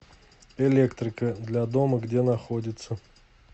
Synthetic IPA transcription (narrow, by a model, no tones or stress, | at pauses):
ɪlʲekt̪ɾʲɪkəd̪lʲad̪o̞məɡdʲe̞nɐxodʲɪt̪sə